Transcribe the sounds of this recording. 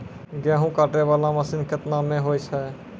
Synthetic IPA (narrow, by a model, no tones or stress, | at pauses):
ɡɛ̃ɦũkaʈɾeβalaməsinkʰət̪namẽɦojt͡ʃʰɛ